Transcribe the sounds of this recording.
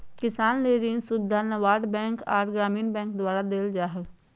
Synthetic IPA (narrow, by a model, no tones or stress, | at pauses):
kɪsaːnleːɾiːnsʊd̪ʱːanɐʋaːɖbɛ̃ːŋkaːɾɡɾaːmiːnbɛ̃ːŋkd̪waːɾad̪eːld͡ʒaːɦəl